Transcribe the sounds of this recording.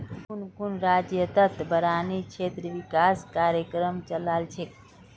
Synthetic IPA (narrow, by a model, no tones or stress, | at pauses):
kunkunɾad͡ʒjət̪ət̪bʱəɾanikt͡ʃʰet̪ɾəʋikaskaɾjəkɾəmt͡ʃəlalt͡ʃʰe